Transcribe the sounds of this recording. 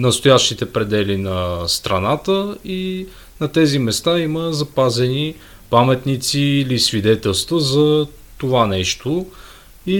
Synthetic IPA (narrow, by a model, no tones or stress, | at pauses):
nəst̪ojaʃt̪it̪ɛpɾɛd̪ɛlinɐst̪ɾɐnat̪əi | nɐt̪ɛzimɛst̪aiməzɐpazɛni | pamɛt̪nit̪siːlisvid̪ɛt̪ɛlˠst̪vəzɐ | t̪ovanɛʃt̪o | i